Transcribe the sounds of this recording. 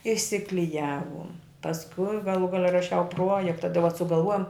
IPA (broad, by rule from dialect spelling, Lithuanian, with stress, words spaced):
ɪʃʲsʲɪklʲɪˈjæːʋʊm pɐsˈkʊɪ ɡɐˈlˠuː ˈɡɑːlʲɛ rɐˈʃʲɛʊ ˈpruɔjɛktɐ tɐɪ ʋɐt sʊɡɐlˠˈʋuɔjoːm